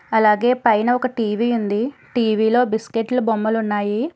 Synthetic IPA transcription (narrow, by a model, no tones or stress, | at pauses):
ɐlaːɡe̞ːpɐjnɐɔkɐʈiːʋiund̪iʈiːʋiːlo̞ːbiskeʈlɐbomːɐlunːaːji